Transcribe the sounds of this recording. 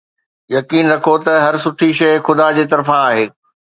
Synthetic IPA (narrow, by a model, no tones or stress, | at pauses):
jɐkiːnɾɐkʰot̪ɐɦɐɾsʊʈʰiʃɐjxʊd̪aːd͡ʑeːt̪ɐɾfãaːɦeː